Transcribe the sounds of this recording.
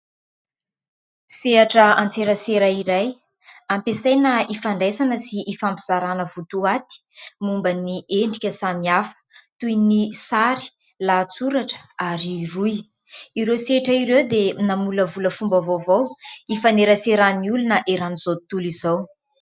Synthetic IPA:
seaʈ͡ʂəant͡seɾəseɾaiɾaj | ampesajnaifaɳɖ͡ʐesanəsiʔːfampiz̥aɾanəvut̪uat̪i̥ | mumbəniʔeɳɖ͡ʐikʲəsamiafə̥t̪ujnisaɾi̥ | laːt͡suɾaʈ͡ʂə̥aɾiruj | iɾeseʈ͡ʂəiɾewd̪enamuləvuləfumbavovowifaneɾəseɾaniulunəʔeɾaniz̥ot̪ulizaw

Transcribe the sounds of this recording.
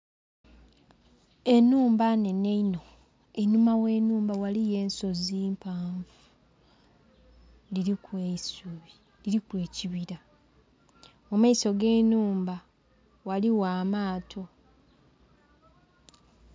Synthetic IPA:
e̞nuːmbane̞neino̞ | enumawe̞ːnuːmbawalije̞ːnso̞ziːmpʰaːɱvu | liɾikweisuβi | liɾikwe̞ːciβiɾa | omaiso̞ɡe̞ːnuːmba | waliwaːmaːtʰo̞

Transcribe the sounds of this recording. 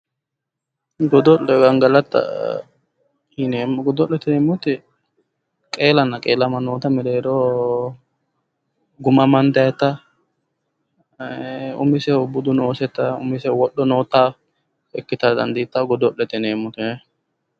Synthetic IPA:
ɡɔd̪ɔlɛɡɐŋɡɐlɐt̪ːɐ̰ | hɪneːmɡɔd̪ɔlːɛt̪ɪneːmːʊt̪ːɪ | kʼe̞ːlɐnːɐkʼe̞ːlɐmɐnoːt̪ɐmɪd̪ɛɾo | ɡʊmɐmɐnd̪ɐjɛt̪ːɐ | ʊ̰mɪsɛʊbʊd̪ʊnoːsɛt̪ːɐʊ̰mɪsɛwɔɗːɔnoːt̪ːaː | ɛkːɪt̪ɐd̪ɐnd̪it̪ːɐɡɔd̪ɔlːɛt̪ːɪneːmːʊt̪ɪɛ

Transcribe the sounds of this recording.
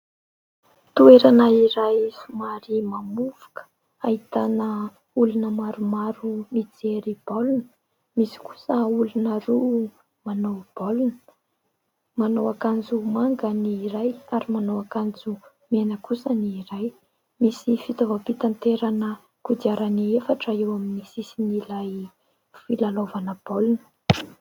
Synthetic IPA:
t̪ueɾanaiɾajsumaɾimamuvu̥kə̥ | ait̪anə | ulunəmaɾumaɾumid͡zeɾib̥olunə̥ | misi̥ku̥səulunəɾu | manowb̥olunə̥ | manowakand͡zumaŋɡəniːɾajaɾimanowakand͡zu | menəkusəniːɾaj | misifit̪ovapit̪ant̪eɾanə | kud̪iaɾaniefaʈ͡ʂəewaminisisinilaj | filalovanəb̥olunə̥

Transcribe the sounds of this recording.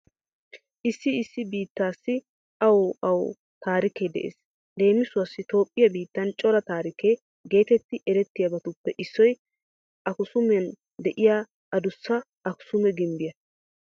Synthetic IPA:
ʔɪsːɪɪsːɪbiːt̪ːaːsːɪ | ɐwɐw | t̪aːɾɪke̞ːd̪ɛ̰ʔḛːs | d̪e̞ːmɪsʊwɐsːɪt̪o̞ːpʼːɪjɐbiːt̪ːɐnt͡ʃʼɔɾɐt̪aːɾɪke̞ː | ɡe̞ːt̪ɛt̪ːɪʔɛɾɛt̪ːɪjɐbɐt̪ʊpːɛʔɪsːɔj | ʔɐkʊsʊmɐn | d̪ɛʔɪjaː | ɐd̪ʊsːɐ | ɐkʊ̥sʊmɛɡɪmbɪjɐ

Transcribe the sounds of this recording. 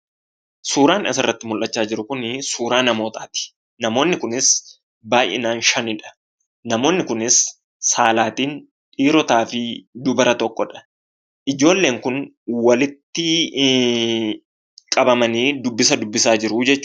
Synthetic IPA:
suːɾaːnʔɐsɐrːɐt̪ːɪmʊlʔɐt͡ʃːaːd͡ʒɪɾʊkʊnsuːɾaːnɐmo̞ːt̪aːt̪ɪ̥ | nɐmo̞ːnːɪkʊnɪs | baːjʔɪ̰naːnʃɐnɪᶑɐ̥ | nɐmo̞ːnːɪkʊnɪsː | aːlaːt̪iːn | ᶑiːɾɔt̪aːfɪd̪ʊbɐɾɐt̪ɔkʼːɔᶑɐ̥ | ʔɪd͡ʒo̞ːlːeːŋkʊn | wɐlɪt̪ːɪ | kʼɐbɐmɐniːd̪ʊbːɪsɐd̪ʊbːɪsaːd͡ʒɪɾʊd͡ʒɛt͡ʃː

